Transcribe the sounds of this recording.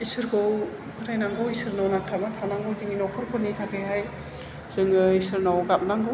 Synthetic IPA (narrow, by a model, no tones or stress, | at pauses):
isɯɾɡɯw | kʰɯɾajnaŋɡɯwisɯɾnawnak̚tʰamatʰanaŋɡowziŋinɔkʰɯɾkʰɔnitʰakʰɯjɦaj | z̥ɯŋɯisɯɾnawɡap̚naŋɡɯ